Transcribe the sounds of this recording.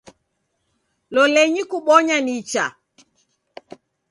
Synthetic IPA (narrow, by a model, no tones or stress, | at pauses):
lɔlɛɲikuɓɔɲanit͡ʃa̰